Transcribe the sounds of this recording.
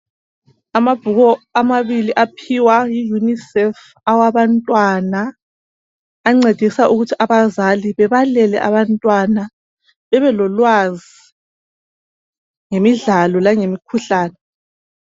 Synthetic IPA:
amab̥ʱuɣɔamaβiliʔapʰiwajijunisɛf | awaβantʼwana | ŋ͡ǀed̥ʱisaʔuɣutʰiʔaβazaliβɛβalɛlɛ̰ʔaβantʼwana | βɛβɛlɔlwazi | ŋemiɮalɔlaŋemikʰuɬaːnɛ

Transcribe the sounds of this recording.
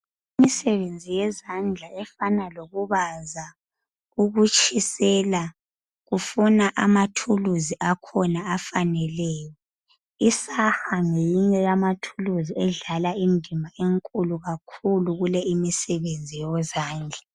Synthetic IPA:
imisɛβend͡zʱijɛzand͡ɮʱaɛfanaloɣuβaza | uɣut͡ʃʰʼisɛla | ɣufunaʔa̰matʰuluziʔakʰɔnaafanɛlɛjɔ | isaxaŋejiɲɛjamatʰuluziɛɮalaindʱimʱaeŋkʼuluɣakʰuluɣulɛimisɛβend͡zʱijɔzaːnd͡ɮʱa

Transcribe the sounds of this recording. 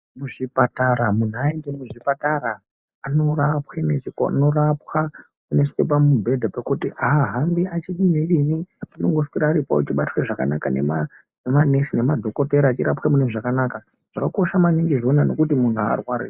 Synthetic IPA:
muʐipataɾamun̤uaendemuʐipataɾaː | no̞rapxenet͡ʃikoa̰no̞rapxa | mune̞si̥kep̬amubʱe̞dʱapakutiaɦambiat͡ʃiɗineʋiniinoŋɡo̞sikiɾaːɾipa̰o̰t͡ʃiɓatireʐaka̰nakanḛma | nemane̞sine̞madʱo̞koteɾaːt͡ʃiɾapxemune̞ʐakanaːka | ʐ̥akako̞ʃamaniŋɡiʐo̞nano̞kutimun̤ua̰rwaːɾḛ

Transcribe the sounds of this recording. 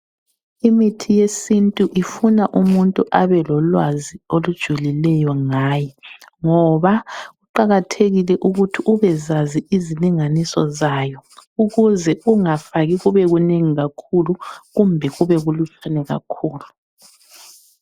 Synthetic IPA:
imitʰijesintʼuʔifunaʔumuntʼuʔaβɛlɔlwaziolud̥ʒ̥ʱulilɛjɔŋaːjɛŋɔβaɣuǃaɣatʰeɣilɛʔuɣutʰiʔuβɛzaziiziliŋanisɔ̰zajɔuɣuzɛuŋafaɣiɣuβɛɣuneŋiɣakʰuluɣumbʱɛɣuβɛɣulut͡ʃʰanɛɣa̰kʰuːlu

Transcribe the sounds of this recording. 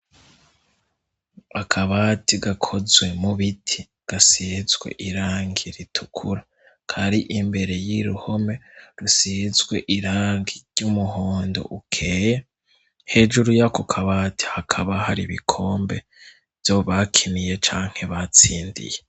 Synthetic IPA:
akʰaβaːtiɡakʰo̞zwe̞muβitʰi | ɡ̥asizɡwe̞̰ʔiɾaːŋɡiɾitʰukʰuɾa | kʰaɾiʔimbe̞ɾe̞jiɾuho̞me̞ɾusizɡwe̞ʔiɾaːŋɡiɾɟumuɦoːndo̰ʔukʰe̞ːje | he̞d͡ʒuɾujakokʰaβaːti̥hakʰaβahaɾiβikʰo̞ːmbe̞ | v̥joβakʰinije̞t͡ʃaːŋ̥he̞βat͡siːndḭje

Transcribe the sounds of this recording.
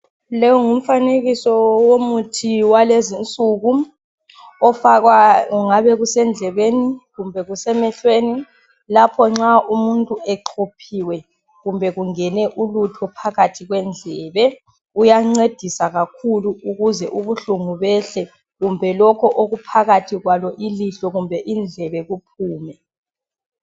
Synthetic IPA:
lɛwɔŋum̩faneɣisɔwomutʰiwalezint͡sʼuːɣu | ɔfaɣwaɣuŋaβɛɣusɛnd͡ɮʱɛβeniɣumbʱɛɣusɛmɛɬweːni | lapʰɔŋ͡ǁaumuntʼuɛǃʰopʰiwɛ | ɣumbʱɛɣuŋɛnɛʔulutʰɔpʰaɣatʰiɣwɛnd͡ɮʱɛːβɛ | ujaŋ͡ǀed̥ʱisaɣakʰuluuɣuzɛʔuβuɬuŋuβɛɬɛ | ɣumbʱɛlɔkʰɔʔoɣupʰaɣatʰiɣwalɔʔiliɬɔɣumbʱɛʔind͡ɮʱɛβɛɣupʰuːmɛ

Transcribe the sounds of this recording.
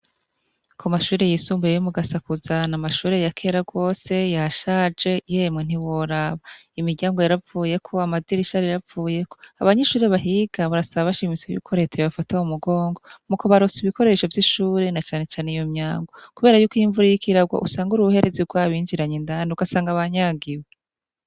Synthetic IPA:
kʰomaʃuːɾe̞jisuːmbejejomuɡasakuzanamaʃuːɾe̞jakʰe̞ːɾaɡo̞ːse̞jaʃaːd͡ʒe̞jemŋen̥iwo̞ɾaβaimiɾɟaːŋɡo̞jaɾavuːje̞kʰo̞amaziɾiʃaɾijavuːje̞ko̞̥aβaɲeʃuːɾe̞βaɦiːɡ̥aβaɾasaβaβaʃimisojṵkʰo̞ɾe̞tʰejiβafataumuɡo̞ːŋɡo̞mukoβaɾosiβiko̞ɾe̞ʃovjiʃuːɾe̞nat͡ʃaːne̞t͡ʃaːneijomɲaːŋɡo̞kuβe̞ːɾajuːkiːɱvuɾijikiɾaɡwa̰ʔusaːŋɡuɾuhe̞ɾeziɡwaːβiːɲd͡ʒiɾaɲendanuɡasaːŋɡaβaɲaːɡiwe

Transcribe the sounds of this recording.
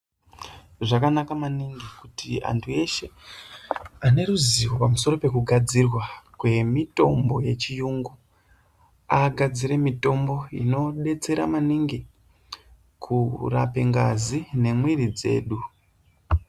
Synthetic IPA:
ʐakanakamaniŋɡikutia̰ntʰue̞ʃe̞ | ane̞ɾuziwo̞pamuso̞ɾo̞pe̞kuɡʱad͡zirwakwe̞mito̞mbo̞je̞t͡ʃijuŋɡu | aɡʱad͡ziɾe̞mito̞mbo̞ḭno̞ɗe̞t͡se̞ɾa̰maniŋɡi | kʰura̰pe̞ŋɡazine̞mwirid͡ze̞̰ːɗu

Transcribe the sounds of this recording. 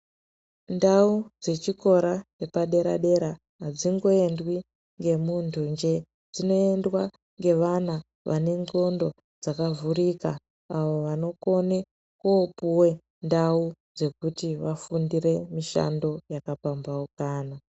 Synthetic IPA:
ndaud͡ze̞t͡ʃiko̞ɾat͡ʃe̞paɗe̞ɾa̰ɗe̞ɾa | ɦːd͡ziŋɡo̞e̞ndwi | ŋɡe̞muntʰuɲd͡ʒe̞ | d͡zino̞e̞ndwa | ŋɡe̞ʋana | ʋʔa̰ne̞ŋɡo̞ndo̞ | d͡zakavurikaː | ʋo̞ʋano̞ko̞ne | kupuwe̞ | ndaud͡ze̞kutiʋafundire̞miʃa̰ndo̞jakapambaukaːna

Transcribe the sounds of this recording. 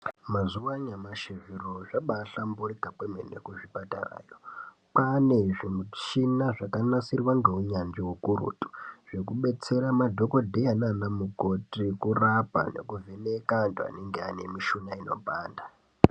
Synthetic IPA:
mazuwaɲamaʃiviroʐaɓaɬamburiɡʱapemḛnḛkuʐipatara̰ːjo | paneʐimut͡ʃinaʐakanasirwaŋɡe̞ɦuɲand͡ʒiwukuɾṵtu̥ʐ̥ekuɓe̞t͡seɾamadʱo̞ko̞dʱeananamukotikurapa̰nḛkuvenekantʼua̰neŋɡeanemiʃunaino̞̰bʱaːnda

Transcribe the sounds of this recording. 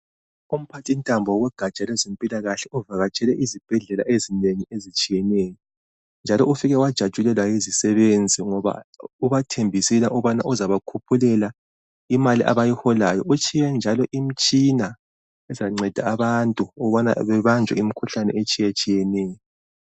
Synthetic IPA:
um̩pʰatʰintʼambʱɔwɔɣwɛɡ̥ʱat͡ʃʼalɛzempʼilaɣaɬɛʔuvaɣat͡ʃʼɛlɛʔizib̥ʱɛɮɛla̰ʔezineŋiezit͡ʃʼijɛnɛjɔ | nd͡ʒʱalɔufiɣɛwad̥ʒ̥ʱad̥ʒ̥ʱʼulɛlwajizisɛβend͡zʱiŋɔβa̰uβatʰembʱisilaʔuβana̰ʔuzaβakʰupʰulɛla | imaliʔa̰βajihɔlajɔut͡ʃʰʼijɛnd͡ʒʱalɔʔim̩t͡ʃʼina | ɛzaŋ͡ǀɛd̥ʱaːβantʼuɔβana̰βɛβand͡ʒʱwɛ̰im̩ikʰuɬanɛ̰et͡ʃʼijɛt͡ʃʼijɛnɛːjɔ

